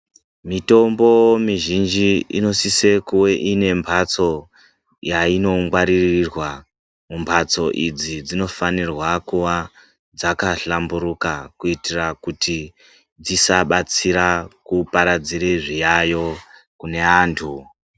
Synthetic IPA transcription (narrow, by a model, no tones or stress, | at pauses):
mito̞mbo̞miʒind͡ʒiḭno̞sise̞kuwe̞ʔine̞mpʰat͡so̞ | jaino̞ŋɡwaɾirirwa | mumbʰʱat͡so̞ʔid͡zid͡zino̞fanirwakuʋa | d͡zakaɬambuɾukakuitirakuti | d͡zisaɓat͡siɾakupaɾad͡ziɾeʐijajo̞ | kune̞aːntʰu